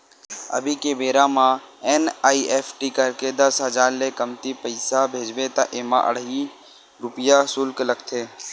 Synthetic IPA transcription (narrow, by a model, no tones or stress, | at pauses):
ə̰bʱikebeːɾãmã | eːnaːiʔeːpʰʈikəɾked̪əsɦəzaːɾlekəmt̪ipəɪsabʱeːd͡ʒʋet̪ãʔeːmã̰ʔə̰ɽ̤ɦi | ɾʊpəjasʊlkləɡt̪ʰeː